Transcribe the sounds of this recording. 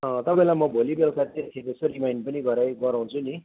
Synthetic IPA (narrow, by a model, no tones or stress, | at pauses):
ʌ̃t̪ʌpaĩlamʌbʱolibelkʰat̪et̪ʰepesoɾimajnpʌniɡʌɾajɡʌɾãw̃t͡sʰuni